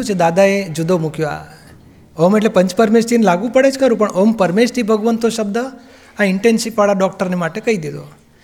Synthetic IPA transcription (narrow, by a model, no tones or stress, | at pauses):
ũt͡ʃʰed̪ad̪aed͡ʒʊd̪ʱomukjoa̰ | ɔmeʈlepə̃ɲt͡ʃpəɾmesʈʰinelaɡũpəɽed͡ʒkəɾũpəɳʔɔmpəɾmesʈ̪ʰibʱəɡʋənt̪oʃəb̚d̪ə | aɪɳʈensipːaɭaɖɔk̚ʈəɾnemaʈekəid̪ed̪o̰